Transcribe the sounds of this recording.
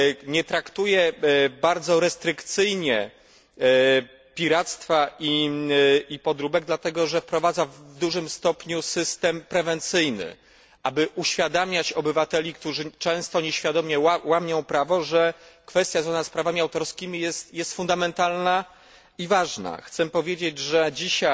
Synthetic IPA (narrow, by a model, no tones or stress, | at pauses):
ɲɛt̪ɾakt̪ujɛbaɾd̪zɔɾɛst̪ɾɘkt̪sɘjɲɛ | pʲiɾat̪st̪faʔi | ipɔd̪ɾubɛɡ̚d̪lat̪ɛɡɔʐɛfpɾɔvad̪zavd̪uʐɘmst̪ɔpɲusɘst̪ɛmpɾɛvɛnt̪sɘjnɘ̰ | abɘʔuɕfʲjad̪amʲat͡ɕɔbɘvat̪ɛlʲikt̪uʐɘt͡ʂɛ̃w̃st̪ɔɲeɕfʲjad̪ɔmʲjɛwamʲjɔ̃w̃pɾavɔʐɛkfɛst̪jazvanaspɾavamʲiawt̪ɔɾskʲimʲijɛst̪jɛst̪fund̪amɛnt̪alna | ivaʐna̰xt̪sɛpɔvʲjed͡ʑed͡ʑʐɛd͡ʑiɕa